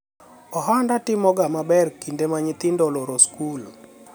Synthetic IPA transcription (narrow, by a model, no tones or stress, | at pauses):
ɔɦandatɪmɔɡamabɛrkindemaɲit̪ɪndɔlɔɾoskul